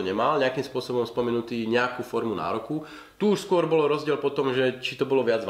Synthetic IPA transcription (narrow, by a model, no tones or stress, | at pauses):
ɔɲɛmalɲɛakimspʊɔsɔbɔmspɔmɛnut̪iːɲɛakuːfɔɾmuna̰ːɾɔku | t̪uːʃskʊɔɾbɔlɔɾɔzɟɪɛlpɔt̪ɔmʒɛt͡ʃit̪ɔbɔlɔʋɪad͡zʋ